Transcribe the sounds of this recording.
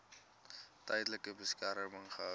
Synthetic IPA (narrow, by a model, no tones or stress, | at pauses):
tɐjdləkəbəskɛɾəməŋχəɦɐ